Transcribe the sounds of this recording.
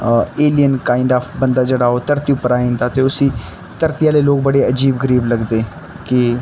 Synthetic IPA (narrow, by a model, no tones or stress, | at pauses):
eːlijənkaːɪɳɖaːfʰbənd̪aːd͡ʒeɽaːoːt̪əɾt̪iːʊpːəɾaːĩːnd̪aːt̪eːʊsĩː | t̪əɾt̪ijaːleːloːk̚bəɽeːəd͡ʒiːbɡəɾiːbləɡd̪eː | kɪ